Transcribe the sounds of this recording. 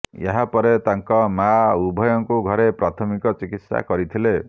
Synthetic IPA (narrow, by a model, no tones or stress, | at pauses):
jḛɦapɔɾet̪aŋkɔmaubʱɔjɔŋkuɡʱɔɾepɾat̪ʰɔmikɔt͡ʃikit̪sa̰kɔɾit̪ʰile